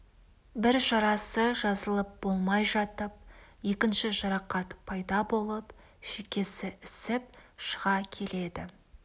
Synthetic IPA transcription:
bɪɾʃɑɾɑsəʒɑzəlˠəp̚b̥o̞lˠmɑjʒɑt̪əp̚je̞kʲɪnʃɪʒɑɾɑqɑt̪pʰɑjd̪ɑbo̞lˠəp | ʃekʲe̞sɪʔɪsɪp̚ʃəʁɑkʲʰe̞le̞d̪ɪ̰

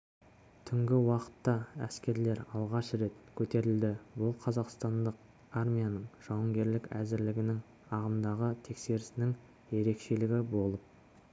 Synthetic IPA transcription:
t̪ʰʏŋɡʲɪwɑqə̥t̪ːɑæ̰skʲe̞ɾle̞ɾɑlˠʁɑʃre̞t̪kʲʰɵt̪e̞ɾɪld̪ɪbʊlˠqʰɑzɑqst̪ɑnd̪əq̚ | armʲijanəɴʒ̥ɑwəŋɡʲe̞ɾlɪkʲæzɪɾlɪɡʲɪnɪŋ | ɑʁəmd̪ɑʁət̪ʰe̞kse̞ɾɪsɪnɪŋ | je̞ɾe̞kʃe̞lɪɡʲɪbo̞lˠəp̚

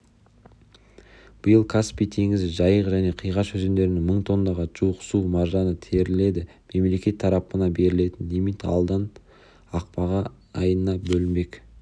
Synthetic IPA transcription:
b̥əjəlˠkʰaspijt̪ʰe̞ŋɪzɪʒɑjəqʒæne̞qʰijʁɑʃɵzend̪e̞ɾɪnɪŋməɴt̪ʰo̞nd̪ɑʁɑʒuwəqsumɑɾʒɑnət̪ʰe̞ɾɪle̞d̪ɪ | me̞mle̞kʲe̞t̪ʰːɑɾɑpənɑbe̞ɾɪle̞t̪ɪnːimit̪ɑ̰lˠd̪ɑn | ɑq̚pɑʁɑ | ɑjənənɑbɵlɪme̞k

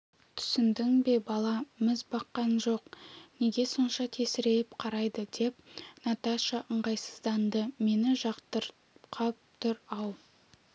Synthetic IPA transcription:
t̪ʰʏ̥sɪnd̪ɪŋbe̞bɑlˠɑmɪzbɑqːɑnʒo̞qne̞ɡʲe̞so̞nʃɑt̪ʰe̞sɪɾe̞ɪpqʰɑɾɑjd̪əd̪̥e̞p̚nɑt̪ɑʃɑʔəɴʁɑjsə̥zd̪ɑnd̪əme̞nɪʒɑqt̪əɾ | qʰɑp̚t̪ʊɾɑw

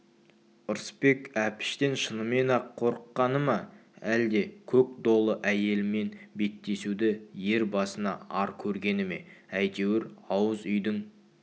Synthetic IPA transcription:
ʊɾspe̞kæpɪ̥ʃt̪enʃənəmenɑqʰːo̞ɾəqːɑnəmɑæld̪e̞kʲʰɵk̚d̪o̞lˠəʔæje̞lɪme̞nbe̞t̪ːe̞sud̪ɪje̞ɾbɑsənɑ̰ɑɾkʲʰɵɾɡʲe̞nɪme̞̰æjt̪e̞wɪɾɑwəzʏjd̪ɪŋ

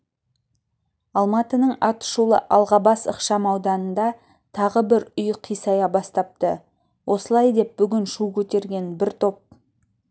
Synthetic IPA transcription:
ɑlˠmɑt̪ənəɴɑt̪ʃulˠə̰ʔɑlˠʁɑbɑsəqʃɑmɑwd̪ɑnənd̪ɑ | t̪ʰɑʁəbɪɾʏjqʰijsɑjɑbɑst̪ɑp̚t̪ə | wʔo̞səlˠɑjd̪e̞p̚b̥ʏɡʲɪnʃukʲʰɵt̪e̞ɾɡʲe̞nbɪɾt̪ʰo̞p̚

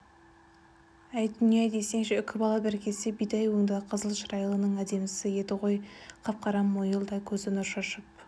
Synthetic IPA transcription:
æjd̪ʏnijɑd̪e̞senʃeʏkʲʰɪbɑlˠɑbɪɾkʲe̞sɪbijd̪ɑjwoŋd̪ɑqʰəzəlˠʃɾɑjəlˠənəɴæd̪e̞mɪsɪje̞d̪ɪʁo̞jqʰɑp̚qʰɑɾɑmːojəlˠd̪ɑkʲʰɵzɪnʊɾʃɑʃəp̚

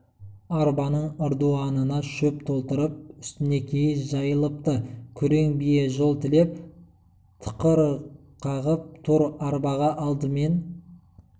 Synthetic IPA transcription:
ɑɾbɑnəɴʊɾd̪uɑnənɑʃɵp̚t̪ʰo̞lˠt̪əɾəp̚ʏst̪ɪne̞kʲʰejɪnʒɑjəlˠəp̚t̪əkʲʰʏɾe̞ŋbije̞ʒo̞lˠt̪ʰɪle̞p̚ | t̪ʰə̥qəɾ | qʰɑʁəp̚t̪ʰʊɾɑɾbɑʁɑʔɑlˠd̪əme̞n

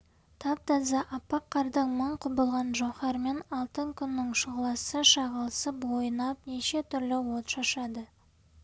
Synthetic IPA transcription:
t̪ʰɑp̚t̪ɑzɑʔɑpːɑqʰːɑɾd̪əɴməɴqʰʊbəlˠʁɑnʒoχɑɾme̞nɑlˠt̪əŋkʲʰʏnːɪŋʃʊʁəlˠɑsəʃɑʁəlˠəsəpwo̞jənɑp̚neʃe̞t̪ʰʏɾlɪwo̞t̪ʃɑʃɑd̪ə

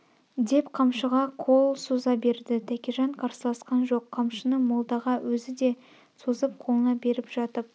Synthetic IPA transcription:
d̪e̞pqʰɑmʃəʁɑqʰo̞lˠsuzɑbe̞ɾd̪ɪt̪ʰækʲeʒɑɴqʰɑɾsəlˠɑsqɑnʒo̞qʰːɑmʃənəmolˠd̪ɑʁɑwɵzɪd̪e̞ | sozəp̚qʰo̞lˠənɑbe̞ɾɪpʒ̥ɑt̪əp̚

